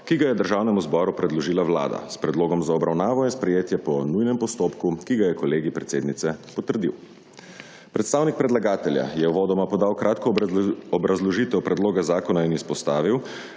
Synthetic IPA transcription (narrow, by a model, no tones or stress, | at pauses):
kiɡajɛd̪əɾʒaːwnɛmuzbɔːɾupɾɛd̪lɔʒiːlawla̰ːd̪a̰spɾɛd̪loːɡɔmzaɔbɾawnaːʋɔinspɾɛjeːt̪jɛpɔnujnɛmpɔst̪oːpkukiɡajɛkɔleːɡipɾɛt̪seːd̪nit̪sɛpɔt̪əɾd̪ḭw | pɾɛt̪st̪aːwnik̚pɾɛd̪laɡaːt̪ɛlja̰jɛʋɔːd̪ɔmapɔd̪aːwkɾʔaːt̪kɔɔbɾazlɔʒit̪ɛwpɾɛd̪loːɡazaːkɔnainispɔst̪aːʋiw